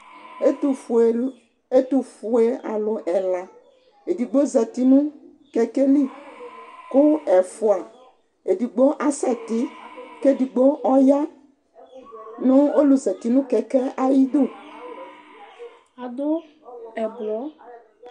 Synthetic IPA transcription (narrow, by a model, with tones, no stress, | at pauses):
e˦t̪u˨fu˨e˦a̰˨lo˨ʔɛ˨la˨ | e˨di˨ɡ͡bo˦zɛ˨t̪i˨nũ˦ | kɛ˨ke˦li˦˨ | ko˦ɛ˨fu˨a˨ | e˨di˨ɡ͡bo˦ʔa˨sɛ˦t̪i˦ke˦˨di˨ɡ͡bo˦ɔ˦ja˦ | nõ˦o˦lu˨zɛ˨t̪i˨nũ˦kɛ˨kɛ˦ʔa˦ji˦d̪o˦˨ | a˨d̪o˦ | ɛ˨blɔ˨˦